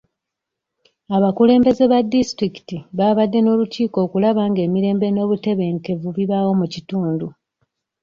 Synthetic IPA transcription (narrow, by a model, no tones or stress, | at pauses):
aβakule̞ːmbe̞ze̞βadistɾiki̥tiβaːβadːe̞no̞ːluciːko̞ːkulaβaːŋɡe̞ːmiɾe̞ːmbe̞no̞ːβute̞βe̞ːŋke̞vuβiβawo̞mucituːndu